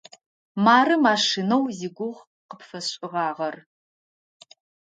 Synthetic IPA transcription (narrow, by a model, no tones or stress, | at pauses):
maːrɨmaːʂinɐwziɡʷʊʁ | qəpfɐɕʼɪʁɑːʁɐr